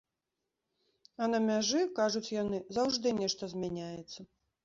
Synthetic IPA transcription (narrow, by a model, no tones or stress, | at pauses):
ɐnɐmʲaʐɨkaʐut͡sʲjanɨzawʐd̪ɨnʲɛʂt̪ɐzʲmʲanʲajɛt̪sːɐ